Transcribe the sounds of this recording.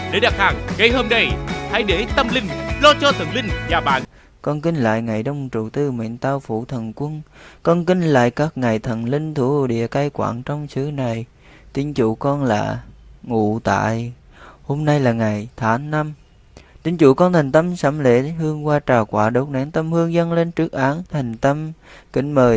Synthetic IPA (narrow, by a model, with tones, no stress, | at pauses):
ɗe˨˦ɗaː˨˩k̚haː˨˩ŋŋə˧jho˧mna˧jha˧˦jɗe˧˩t̪ə˧mlï˧ŋ̟lɔ˧t͡ɕɔ˧t̪ʰə˨˩nlï˧ŋ̟ɲaː˨˩ɓa̰ː˧˨n | kɔ˧nkï˧ŋ̟la̰ː˧˨jŋa˨˩jɗə˧wŋ͡mt͡ɕu˨˩t̪ɨ˧mḭ˧˨nt̪aː˧wfu˧˩t̪ʰə˨˩nkwə˧nkɔ˧nkï˧ŋla̰ː˧˨jkaː˦˥k̚ŋa˨˩jt̪ʰə˨˩nlï˧ŋ̟t̪ʰu˧˩˦ɗḭ˧˨əkaː˧jkwa̰ː˧˨ŋt͡ɕɔ˧wŋ͡msɨ˨˦na˨˩j | t̪i˧˥ənt͡ɕu˧˩kɔ˧nla̰ː˨˩ŋṵ˧˨t̪a̰ː˧˨j | ho˧mna˧jlaː˨˩ŋa˨˩jt̪ʰaː˨˦ŋna˧m | t̪i˧˦ənt͡ɕu˧˩kɔ˧nt̪ʰa˨˩ŋ̟t̪ə˧msa˧˥˩mlḛ˧˥ɦɨ˧əŋkwaː˧t͡ɕaː˨˩wkwaː˧˩˥ɗo˨˥t̚na˨˥nt̪ə˧mhɨ˧əŋzə˧nle˧nt͡ɕɨ˦˥ək̚ʔaː˨˦nt̪ʰa˨˩jŋ̟t̪ə˧mkï˧˥˦ŋ̟məː˨˩j